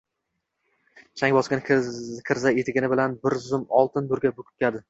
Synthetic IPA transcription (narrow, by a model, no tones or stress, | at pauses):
t͡ʃʰaŋʲbɒsɡʲɪnkʰɪɾzajet̪ʰɪɡʲɪnɪbɪlanbɪɾzʊmɒlˠt̪ʰɪnd̪ʊɾɡʲabʊkʲʰʊ̥p̚kʲʰad̪ɪ